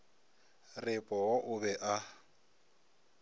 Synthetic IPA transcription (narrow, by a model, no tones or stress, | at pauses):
rɪpʼɔwɔʔʊbɛʔa